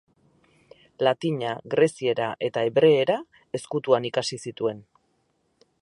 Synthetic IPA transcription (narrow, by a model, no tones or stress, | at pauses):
lat̪iɲaɣɾe̞sie̞ɾaʔe̞t̪aeβɾe̞ːɾa | e̞skut̪uanikasisit̪ue̞n